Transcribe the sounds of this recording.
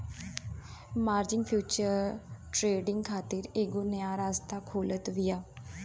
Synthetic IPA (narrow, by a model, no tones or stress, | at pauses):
maːɾd͡ʒɪŋɡpʰjuːt͡ʃəɾʈɾeːɖɪŋɡkʰaːt̪ɪɾeːɡoːnɪaːɾaːst̪aːkʰoːlət̪ʋɪjaː